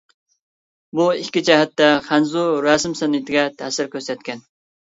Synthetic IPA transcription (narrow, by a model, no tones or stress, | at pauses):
buikʲːid͡ʒɛɦɛt̪ːɛχænzuɾɑsɪmsɛnɪt̪ʰɪɡʲɛt̪ʰæsɪɾkʲʰøɾsɛt̪̚kʲɛn